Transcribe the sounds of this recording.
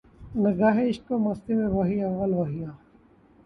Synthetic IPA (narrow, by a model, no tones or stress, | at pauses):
nɐɡaːɦeɪʃkomɐst̪emẽʋɐɦiɐʋːəlʋɐɦijãː